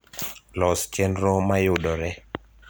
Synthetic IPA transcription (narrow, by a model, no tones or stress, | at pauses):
lɔst͡ʃɛnɾomajʊdɔɾɛ